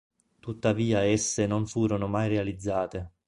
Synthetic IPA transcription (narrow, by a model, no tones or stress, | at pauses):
t̪ut̪ːaviːaɛsːenonfuːɾonomajrealid̪zːaːt̪e